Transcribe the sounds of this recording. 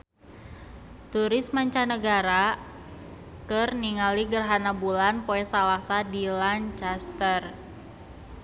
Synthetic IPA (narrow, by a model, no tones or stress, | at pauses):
t̪uɾɪsmaɲt͡ʃanəɡaɾa | kərniŋaliɡərɦanabulanpoɛsalasadilant͡ʃast̪ər